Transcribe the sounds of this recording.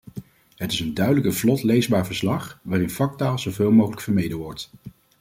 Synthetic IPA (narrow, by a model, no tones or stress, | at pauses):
ɦətɪsəndœɥdələkəvlɔtlejzbaːɹvəɹslɑχʋaːrɪnfɑk̚taːlˠzowveːlˠmowχələkfəɹmejdəʋɔɹt